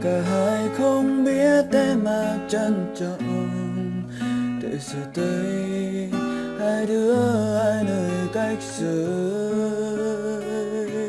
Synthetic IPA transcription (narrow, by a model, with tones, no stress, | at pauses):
ka˨˩ɦaː˧˥jxə˧ŋ͡mɓi˧˥ət̪ɛ˧˩maː˨˩t͡ɕə˧nt͡ɕɔ˧˩ʔ | ɗə̰˧˨jsɨ˨˩t̪ə˧˦j | haː˧˥jɗɨ˨˦əʔaː˧jnəː˨˩jka˧jk̚sɨ˨˩